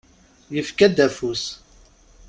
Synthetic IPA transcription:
jəfkæd̪æfus

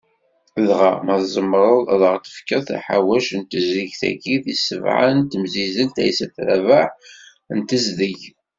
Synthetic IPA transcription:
ðʁamæðzˤəmːɾˤəðˤðəʁt̪ə̥fkæθæ̰ħa̰wæʃnt̪əziʝθæ̰ɡiθisəvʕa̰nt̪əmzizənt̪æ̰jsæθɾævaħ | nt̪əzðəʝ

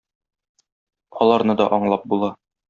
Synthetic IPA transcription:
ɒlˠɑɾnɤd̪ɒʔɒɴlˠɑp̚bulˠɑ

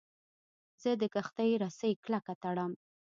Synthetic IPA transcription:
zəd̪əkaxt̪ajɾasəjklakat̪aɽam

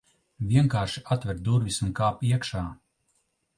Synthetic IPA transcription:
vʲiɛŋkaːɾʃi̥at̪vʲɛɾd̪uɾvʲisunkaːpiɛkʃaː

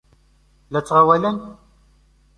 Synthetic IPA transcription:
læt͡sːʁawælæn

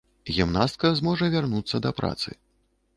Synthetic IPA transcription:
ɣʲimnast̪̚kɐzmɔʐɐvʲarnut̪sːɐd̪ɐpɾa̰t̪sɨ̰

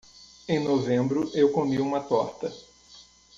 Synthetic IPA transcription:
ẽj̃novẽbɾʊʔewkomiũmɐt̪ɔɾt̪ɐ

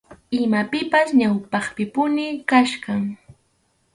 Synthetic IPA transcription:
ɪmapɪpasɲawpɑχpɪpʊnɪkaʃɢɑŋ

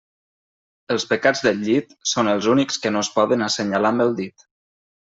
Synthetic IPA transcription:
əlˠspəkad͡zðəʎit̪sonəlˠzunikskənoəspɔðənəsəɲalambəlˠd̪it̪

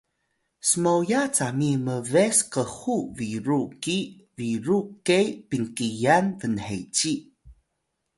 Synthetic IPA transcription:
səmowjat͡samiməveskəxuviɾuki | viɾukejpiŋkijanvənhejt͡ɕi

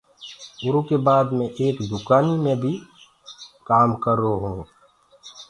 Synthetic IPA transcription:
ʊɾukebaːd̪mẽʔeːkd̪ʊkaːnimẽbʱi | kaːmkəɾoɦũː

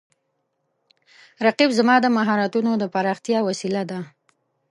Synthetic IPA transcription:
ɾaqibzamɑd̪əmaɦɑɾat̪unod̪əpaɾɑxt̪jɑwasilad̪a

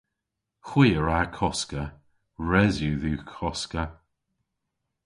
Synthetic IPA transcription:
xwiːəɹakʰɔskə | ɹɛzjuðukʰɔskə

